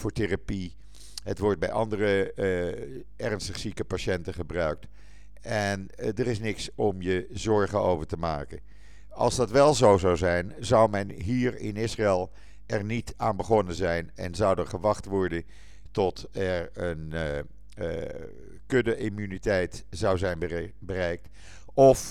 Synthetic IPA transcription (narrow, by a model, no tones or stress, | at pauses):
vʊːɹterapi | ɦətʋɔɹt̚bɛ̰jʔɑ̰ndərə | ɛrnstəχsikəpaʃɛntəχəbrœɥk̚t | ɛndərɪsnɪksɔmjəzɔɹχəo̰wvəɹtəma̰ːkə̰n | ɑ̰lˠzdɑtʋɛlˠzowzɑwzɛjnzɑwmɛnɦiːrɪ̰nɪsraɛlˠ | ʔɛɹnitaːnbəχɔnənzɛjnɛ̰nzɑwdəɹχəʋɑχtʋɔɹdən | tɔt | ɛɹən | kødəʔimynitɛjtzʌwzɛjnb | bərɛjk̚t | ɔf